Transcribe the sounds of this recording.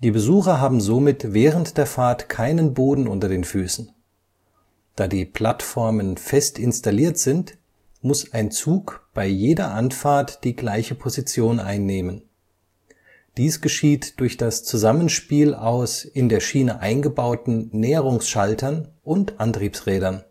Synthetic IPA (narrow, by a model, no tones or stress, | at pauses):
d̥iːbəzuːxɐɦaːbm̩zomɪtvɛːʁəntd̥eːɐfaːɐtkʰaɪnənboːdn̩ʔʊ̰ntɐdeːnfyːsn̩ | d̥aːdiːpʰl̥atfɔɐmənfɛstʰɪnstaliːɐtz̥ɪnt | mʊsaɪnt͡suːkb̥aɪjeːdɐʔantfaɐtd̥iːɡlaɪçəpʰozit͡sjoːnʔa̰ɪnːeːmən | d̥iːsɡ̥əʃiːtd̥ʊɐçd̥ast͡suzamənʃpiːlaʊsʔɪndeːɐʃiːnəʔaɪnɡəbaʊtn̩nɛːəʁ̞ʊŋsʃaltʰɐnʔʊntʔantʁ̥iːpsʁɛːɾɐn